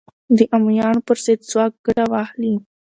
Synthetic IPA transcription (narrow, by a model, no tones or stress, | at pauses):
d̪əʔamujɑːnpəɾzɪd̪swɑːk̚ɡ̥aɽawɑhli